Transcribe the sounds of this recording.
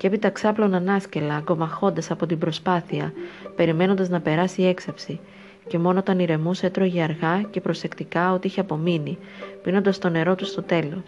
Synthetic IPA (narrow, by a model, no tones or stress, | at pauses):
cee̞pit̪ɐksɐplo̞nɐnɐsce̞lɐɡo̞mɐxo̞nd̪ɐsɐpo̞t̪ibɾo̞spɐθiɐpe̞ɾime̞no̞nd̪ɐznɐpe̞ɾɐsie̞ksɐpsi | ce̞mo̞noot̪ɐniɾe̞muset̪ɾoʝiɐɾɣɐce̞pɾo̞se̞kt̪ikɐo̞t̪iiçeɐpo̞mini | pino̞nd̪ɐst̪o̞ne̞ɾo̞t̪ust̪o̞t̪e̞lo̞s